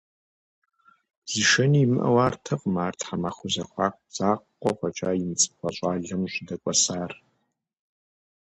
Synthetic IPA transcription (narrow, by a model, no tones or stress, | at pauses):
z̥iʃɐniːmɨʔɐ̰waːrtʰɐqʼmaːrtʰħamaχʷʊzɐxʷɑːq̚ʷʼd͡zaːqqʷʼɔqʷʼɐt͡ʃʼaːjɪnt͡sʼɨ̥xʷɐɕʼaːɮɐmɕʷɪdɐkʷʼɔsaːr